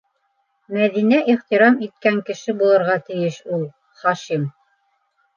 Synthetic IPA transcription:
mæðinæʔiχt̪iɾɑmit̪̚kæŋkɘ̆ʃɘbulˠɤ̆ɾʁɑt̪ɘ̆jɘʃulˠ | χɑʃim

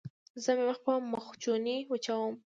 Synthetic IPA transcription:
zəmeməxpəmʊxt͡ʃoniut͡ʃawəm

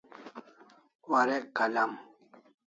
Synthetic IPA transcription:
waɾekalam

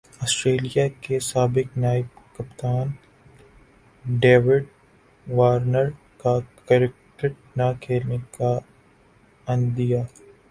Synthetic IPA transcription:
ɔːsʈɾeːlijakesaːbɪknaːɪb̚kɐpt̪aːn | ɖeːʋɪɖ | ʋaːɾnəɾ | kakəɾɪk̚ʈəɾ | nakʰeːlneka | ɐ̃nd̪ijaː

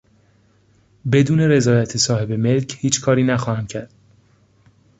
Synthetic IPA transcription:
be̞d̪uːne̞ɾe̞zɒːjæt̪ʰesɒːhe̞be̞me̞lcʰhiːt͡ʃʰkʰɒːɾiːnæxɒːhæmcʰæɾd̪̥

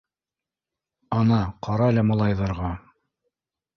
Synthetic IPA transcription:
ɑnɑqʰɑɾɑlæmɑlˠɑjðɑɾʁɑ

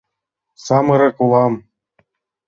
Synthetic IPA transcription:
sɑmɤ̆ɾɤ̆kulˠɑm

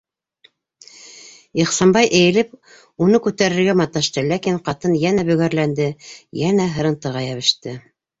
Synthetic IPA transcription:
iχsɑmbɑjʔɘ̆jɘ̆lɘp̚ | unɤkʉt̪æɾɘ̆ɾɡæmɑt̪ːɑʃt̪ɤlækiɴqɑt̪ɤnjænæbɵ̆ɣæɾlænd̪ɘjænæɦɤ̆ɾɤ̆nt̪ɤ̆ʁɑjæβɘ̆ʃt̪ɘ

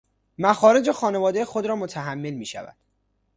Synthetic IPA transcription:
mæxɒːɾe̞d͡ʒe̞xɒːne̞vɒːd̪ejexod̪ɾɒːmot̪ʰæɦæmːe̞lmiːʃæ̰væ̰d̪̥

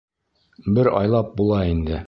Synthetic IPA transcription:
bɘɾɒ̰jlˠɑp̚bulˠɑind̪ɘ

